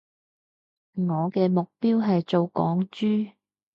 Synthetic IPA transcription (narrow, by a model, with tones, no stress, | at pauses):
ŋɔː˨˧kɛː˧mʊ˨k̚piː˥wɦɐ˨jt͡so˨wkɔː˨˥ŋt͡ʃyː˥